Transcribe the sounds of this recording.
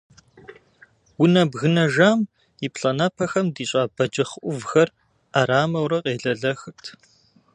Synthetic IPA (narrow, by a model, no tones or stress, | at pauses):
wʊnɐbɣɨnɐʒaːm | jipʰɬɐnaːpʰɐxɐmdiːɕʼaːbɐd͡ʒɐχʔʷʊvxɐr | aɾaːmɐwɾɐqeːɮɐɮɐxɨrtʰ